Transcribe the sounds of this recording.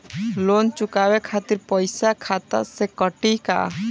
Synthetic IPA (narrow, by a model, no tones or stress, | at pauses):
lont͡ʃukawɛkʰat̪iɾpɔjsakʰat̪a̰sɛkɔʈika̰ʔ